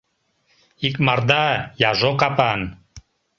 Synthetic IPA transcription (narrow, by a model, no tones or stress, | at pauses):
ikmaɾd̪ajaʒokapan